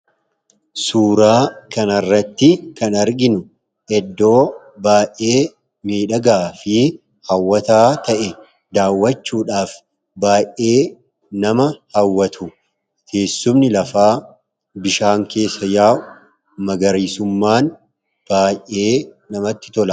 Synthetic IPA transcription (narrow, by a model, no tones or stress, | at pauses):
suːɾaːkɐnɐrːɐt̪ːɪkɐnɐɾɡɪnʊ | ʔɛd̪ːo̞ː | baːjʔe̞ː | miːᶑɐɡaːfɪ | hɐwːɐt̪aːt̪ɐʔɛ | d̪aːwːɐt͡ʃːuːᶑaːf | baːjʔe̞ː | nɐmɐhɐwːɐt̪ʰʊ | kʰe̞ːsːʊmnɪlɐfaː | bɪʃaːŋke̞ːsːɐjaː | mɐɡɐɾiːsʊmːaːn | b̥aːjʔʔe̞ː | nɐmɐt̪ːɪ̥t̪ɔlɐ